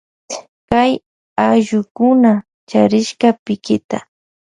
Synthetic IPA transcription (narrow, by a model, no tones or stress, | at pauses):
kaj | aʒʊkʊna | t͡ʃaɾɪʃkapɪkɪt̪a